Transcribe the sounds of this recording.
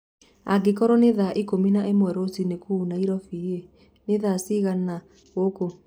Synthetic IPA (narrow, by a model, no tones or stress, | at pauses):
aɡekɔɾɔneðaʔikominaʔemwɛɾosinekuːnaiɾɔfie | neðasiɣana | ɣoko